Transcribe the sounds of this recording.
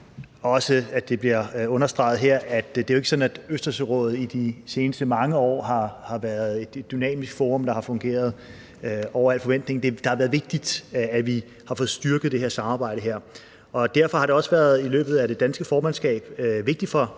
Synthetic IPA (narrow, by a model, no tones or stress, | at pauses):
ɒ̽səæd̥e̝b̥liɐɔ̽nɐsd̥ʁɑ̈ɪð̩ˠɦeɐ̰æd̥eæoe̝ɡ̥əsɒ̽næd̥øsd̥ɐsøʁɔ̰̽ːð̞̩ˠid̥ise̝ːnəsd̥əmɑ̈ŋəɒ̰ːɦɑ̈hɑ̈ʋæɐð̞ˠe̝d̥e̝d̥̚ːynɛ̰ːmisɡ̥fɔːʁɔ̽md̥ɑ̈hɑ̈fɔ̽ŋɡ̥e̝̰ːɐð̞ˠ | ɒʊ̰ɐæl̰̥fɒʋen̰d̥ne̝ŋn̩d̥e̝d̥ɑ̈hɑ̈ʋæɐðˠʋe̝ɡ̥̚d̥id̥æʋi | hɑ̈fɔ̽ðˠsd̥yɐɡ̥əð̩ˠd̥e̝he̝ɐsɑ̈mɑ̈ːb̥ɑ̈ɪ̰ɾ̥əɦeɐ̰ | ɒ̽d̥æɐ̰fɒ̽hɑ̈ɾe̝ɒ̽səʋæːɐð̞ˠilø̰ːb̥ð̞̩ˠæd̥e̝d̥ænsɡ̥əfɒːmænsɡ̥ɛ̰ːb̥ʋe̝ɡ̥̚d̥i̥fɒ̽